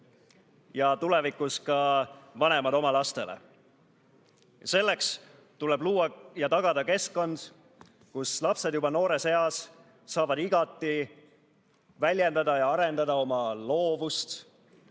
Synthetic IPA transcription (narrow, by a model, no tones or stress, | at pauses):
jɑt̪ule̞vikːˑuskɑvɑne̞mɑd̪o̞mɑlɑst̪e̞lḛ | se̞lːe̞ks | t̪ulebluːɑjɑt̪ɑɡ̥ɑd̪̥ɑke̞skkːo̞nd̪̥ | kuslɑpse̞d̪jubɑno̞ːɾe̞se̞ɑsː | ɑːvɑd̪iɡ̥ɑt̪ːˑi | vælʲje̞nd̪ɑd̪ɑjɑɑɾe̞nd̪̥ɑd̪ɑo̞mɑlo̞ːvust̪